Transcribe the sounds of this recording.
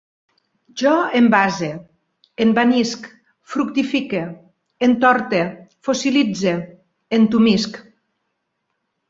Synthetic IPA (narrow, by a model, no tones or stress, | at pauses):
ʒɔembaze | embanisk | fɾukt̪ifike | ent̪ɔɾt̪efosilid͡ze | ent̪umisk